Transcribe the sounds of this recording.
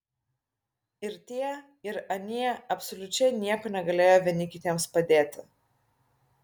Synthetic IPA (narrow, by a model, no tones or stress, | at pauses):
ɪɾt̪ʲiɛ | ɪɾɐnʲiɛɐpsɔlʲʊt͡ʃʲɛɪnʲiɛkoːnʲɛɡɐlʲeːjoːʋʲɛnʲɪkʲɪt̪ʲeɛmspɐd̪ʲeːt̪ʲɪ